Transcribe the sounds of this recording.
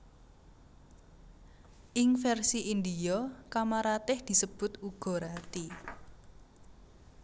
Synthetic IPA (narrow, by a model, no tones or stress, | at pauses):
ʔɪŋfɛrsiʔind̪ijɔkamaɾat̪ɪhd̪̥i̤səb̥ʊ̤t̪uɡ̥ɔ̤ɾat̪i